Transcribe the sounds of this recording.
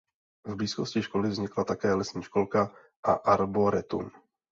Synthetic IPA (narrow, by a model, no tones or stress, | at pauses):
vbliːsko̞scɪʃko̞lɪvzɲɪklat̪akɛːlɛsɲiːʃko̞lka | ʔa̰ʔaɾboɾɛt̪ṵm